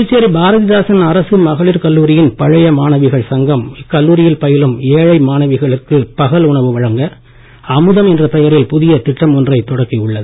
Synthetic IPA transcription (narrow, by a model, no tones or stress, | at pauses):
t͡ʃːeːɾibʱaːɾɐðɪðaːsɐnɐɾɐsɯmɐɣɐɭɪɾkɐlːuːɾɪjɪnpɐɻɐjɐmaːnɐʋɪɣɐɭsɐŋɡɐmɪkːɐlːuːɾɪjɪlpɐjɪlɯmeːɻɐɪmaːnɐʋɪɣɐɭɯkːɯpɐɣɐlʊɳɐʋɯʋɐɻɐŋɡɐ | ɐmɯðɐmɛndrɐpɛjɐɾɪlpʊðɪjɐt̪ɪʈːɐmɔndrɐɪt̪ːɔɽɐkːɪɯɭːɐðɯ